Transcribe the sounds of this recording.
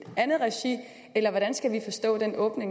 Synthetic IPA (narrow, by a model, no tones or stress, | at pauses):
ænð̩ˠʁɛɕḭ | elɐʋɒɾ̥ænsɡ̥æʋifɒ̽sd̥ɔ̰̽ːd̥enɔ̽ːb̥ne̝ŋ